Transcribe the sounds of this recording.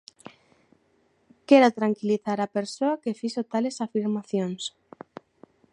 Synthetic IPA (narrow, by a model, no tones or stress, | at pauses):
keɾot̪ɾaŋkiliθaɾapeɾsoakefiʃot̪alesafiɾmaθjoŋs